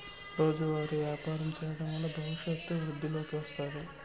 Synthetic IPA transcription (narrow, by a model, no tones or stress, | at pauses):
ɾo̞ːd͡ʒuʋaːɾuʋjaːpaːɾɐmt͡ʃɛjɐɽɐnɐlːɐbʱɐʋiʂet̪ːuʋɾud̪ʱːilo̞ːkiʋɐst̪aːɾu